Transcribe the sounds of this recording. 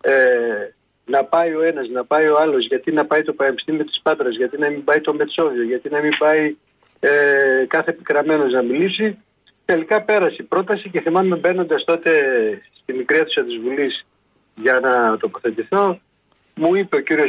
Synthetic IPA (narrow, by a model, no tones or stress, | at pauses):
e | nɐpɐjo̞e̞nɐznɐpɐio̞ɐlo̞zʝɐt̪inɐpɐit̪o̞pɐnepi̥st̪imio̞t̪i̥spɐt̪ɾɐzʝɐt̪inɐmimbɐit̪o̞me̞t̪so̞ðio̞ʝɐt̪inɐmimbɐi | ekɐθe̞pikɾɐme̞no̞znɐmilisi | t̪e̞likɐpe̞ɾɐsipɾo̞t̪ɐsice̞θimɐme̞be̞no̞nd̪ɐst̪o̞t̪e̞st̪imikɾieθu̥sɐt̪izvulis | ʝɐnɐt̪o̞po̞θe̞t̪iθo̞ | muipe̞o̞ciɾio